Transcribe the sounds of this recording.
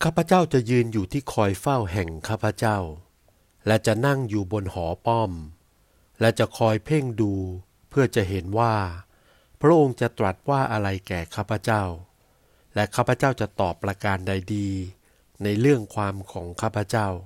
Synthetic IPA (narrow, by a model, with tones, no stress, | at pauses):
kʰaː˥˩pʰa˧˦t͡ɕaː˥˩wt͡ɕa˨˩ʔjɯː˧njuː˨˩t̪ʰiː˥˩kʰɔː˧jfa˥˩wɦɛ˨˩ŋkʰaː˥˩pʰa˧t͡ɕa˥˩w | lɛ˦˥t͡ɕa˨˩na˥˩ŋjuː˨˩bo˧nhɔː˩˦pɔ˥˩m | lɛ˦˥t͡ɕa˨˩kʰɔː˧jpʰe˥˩ŋduː˧ | pʰɯ˥˩ɐt͡ɕa˨˩ɦe˩˦nwaː˥˩ | pʰɾa˦˥ʔo˧ŋt͡ɕa˨˩t̪ɾa˨˩t̪̚waː˥˩ʔa˧ɾa˧jkɛː˨˩kʰaː˥˩pʰa˧˩t͡ɕa˥˩w | lɛ˦˥kʰaː˥˩pʰa˧˦t͡ɕaː˥˩wt͡ɕa˨˩t̪ɔː˨˩pːɾa˧kaː˧nda˧jdiː˧ | na˧jɾɯ˥˩əŋkʰwaː˧mkʰɔː˩˦ŋkʰaː˥˩pʰːa˧˦t͡ɕa˥˩w